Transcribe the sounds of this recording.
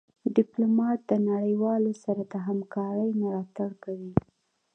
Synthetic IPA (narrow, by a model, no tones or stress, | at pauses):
ɖɪplomɑt̪̚d̪ənaɽəjwɑlosaɾad̪əɦamkɑɾəjməlɑt̪aɽkawi